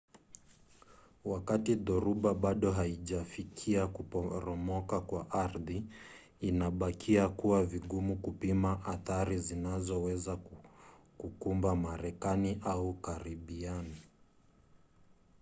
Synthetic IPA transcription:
wakatiðɔɾuɓaɓaɗɔɦaiʄafikʰiakupɔɾɔmɔkakwaʔaɾðiː | naɓakʰiakuwaviɠumukupimaʔaθaɾizinazɔwɛza | kukumbamaɾɛkaniʔaukaɾiɓiani

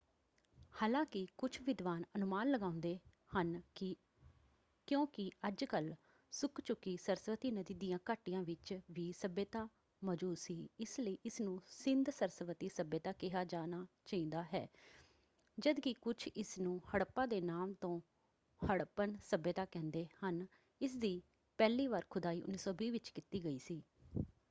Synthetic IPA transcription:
haːlãːkɪkʊt͡ʃʰʋɪd̪ʋaːnənʊmaːnləɡaːʊnd̪eː | hən | kjõːkɪəd͡ʒkəl | sʊkt͡ʃʊkːiːsəɾsʋət̪iːnəd̪iːd̪ijãːkaːʈijãːʋɪt͡ʃʋiːsəbeːt̪aː | məd͡ʒuːsiːɪsləiːɪsnũːsɪnd̪səɾsʋət̪iːsəbeːt̪aːkɪɦaːd͡ʒaːnaːt͡ʃəĩːd̪aːɦɛ̰ː | d͡ʒəd̪kɪkʊt͡ʃʰɪsnũːhəɽpãːd̪eːnaːmt̪õː | həɽpənsəbəːt̪aːkɛ̃ːnd̪eːhən | ɪs̬d̪iː | pɛːliːʋaːɾkʰʊd̪aːiːʔʊ̰nːiːsɔːbiːʋɪt͡ʃkɪt̪iːɡəiːsiː

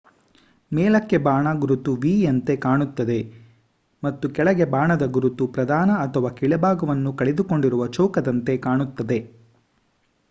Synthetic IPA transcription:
mɛːlɐkːe̞baːɳɐɡuɾut̪uʋiːɐnt̪e̞kaːɳut̪ːɐd̪e̞ | mɐt̪ːukɛɭɐɡe̞baːɳɐd̪ɐɡuɾut̪upɾɐd̪ʱaːnɐːt̪ʰɐʋaːkiɭɛbaːɡɐʋɐnːukɐɭed̪uko̞ɳɖiɾuʋɐt͡ʃɐwkɐd̪ɐnt̪e̞kaːɳut̪ːɐd̪e̞

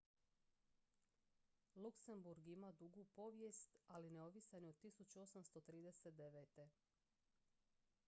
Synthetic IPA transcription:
lukse̞mbuɾɡimad̪uɡupo̞ʋje̞st̪alineoʋisanood̪t̪ːisut͡ɕuo̞samst̪o̞t̪ɾiːd̪eset̪̚d̪e̞ʋet̪e̞

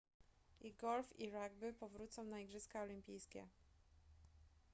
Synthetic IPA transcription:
iɡɔlfiɾaɡ̚bɘpɔvɾut̪sɔ̃w̃naiɡʐɘskaɔlʲimʲpʲijskʲɛ̰

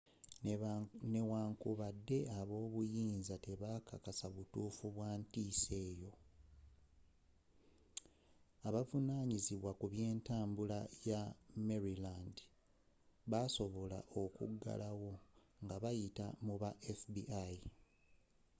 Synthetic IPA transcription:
ne̞waːŋkuβadːe̞aβo̞ːβujiːnzate̞βakakasaβutuːfuβwaːntiːse̞ːjo̞ | aβavunaːɲiziβwakuβje̞ːntaːmbulajameɾiland | βaso̞βo̞la̰ʔo̞kṵɡa̰lawo̞ | ŋɡaβajita̰muβaʔefbiai

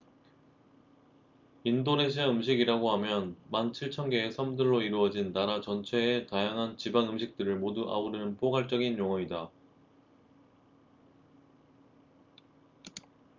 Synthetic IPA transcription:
indone̞ɕ̬ʰiaɯmɕʰiɡiɾaɡoɦamjʌnmant͡ɕʰiɭt͡ɕʰʌŋɡe̞ːsʰʌmdɯɭːoiɾuʌd͡ʑinːaɾat͡ɕʌnt͡ɕʰwe̞ːtajaŋɦant͡ɕibanɯmɕʰik̚t͈ɯɾɯɭmoduʔa̰uɾɯnɯnpʰoɡaɭt͡ɕ͈ʌɡinjoŋʌida

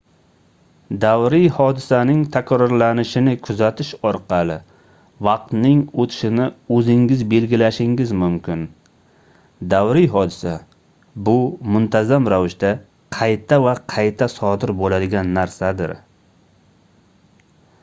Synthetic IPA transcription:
d̪awɾijhɒd̪ɪsanɪŋt̪ʰakʲʰɾɒɾlanɪʃɪnɪkʰʊzat̪ʰɪʃɒɾqɑlˠɪ | vɑqt̪nɪŋot̪ʰɪ̥ʃɪnɪɵzɪŋɡʲɪzbe̞lɡʲɪlaʃɪŋɡɪzmʊmkʲʰɪn | d̪awɾijɦɒd̪ɪsa | bʊmʊnt̪ʰazamɾavɪʃd̪a | qʰɑjt̪ʰavaqʰɑjt̪ʰasɒd̪ɪɾbolad̪ɪɡʲanːaɾsad̪ɪ̰ɾ

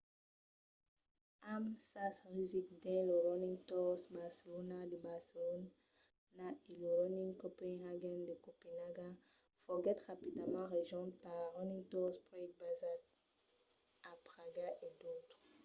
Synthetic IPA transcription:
amsasʁizik̚d̪ɛ̃loʁɔnĩŋtɔsbaʁselonad̪əbaʁselɔn | naʔeloʁɔniŋkopɛnhaɡɛnd̪əkopenaɡa | fɔɡɛt̪ʁapid̪amɑ̃ʁeʒɔ̃t̪̚paʁlaʁɔnĩŋtɔspʁɔk̚bazad | apʁaɡaʔedot̪χ

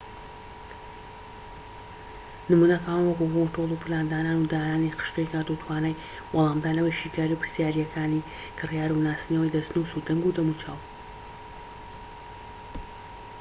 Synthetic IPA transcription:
nɨmuːnɐkawanwɐkukotolˠupʰɨlaːnd̪aːnaːnud̪aːnaːniqə̥ʃqejkaːɾd̪ut̪ʰwaːnaj | wɐlˠaːmd̪aːnɐwɐjʃiːkaːɾiupɨɾsjaːɾijɐkʰaːni | kɨrjaːɾunaːsinɐwɐjd̪ɐsnuːsud̪ɐŋɡud̪ɐmut͡ʃʰa̰ːw

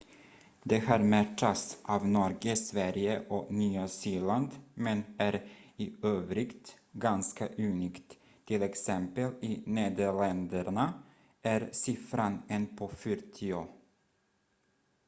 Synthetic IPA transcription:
d̪ɛhɑːɾmæʈːasʔɑːvnɔɾɡəsvæɾjəʔɔnyːasiːɭand̪mɛnæɾɪøːvɾɪkt̪ | ɡanskaʔʉːniːkt̪ | t̪ʰːɪlɛksɛmpəlɪneːd̪əɭɛnd̪əɾɳa | ʔæɾsɪfɾanɛnpʰɔfœɾt̪ʰɪoː

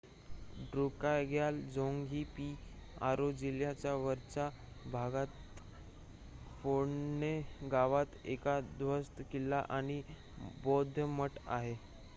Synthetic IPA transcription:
ɖɾukajɡjald͡zoŋɡʱipia̰ɾod͡ʑiljat͡ɕjaʋəɾt͡ɕa | bʱaɡat̪ | foneɡaʋat̪ekad̪ʋəst̪əkilːaʔañi | bod̪ʱjəməʈa̰ɦe

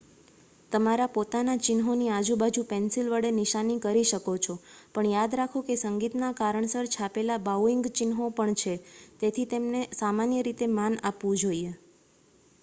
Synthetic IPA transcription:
t̪əmaɾapot̪anat͡ʃɪnɦoniad͡ʒubad͡ʒũpɛnsilʋəɽenɪʃanikəɾiʃəkot͡ʃʰopəɳjad̪ɾakʰokesəŋɡit̪nakaɾəɳsəɾt͡ʃʰapelabawɪŋɡt͡ʃɪnɦopəɳt͡ʃʰet̪et̪ʰit̪emnesamanjəɾit̪emanapʋũd͡ʒoie

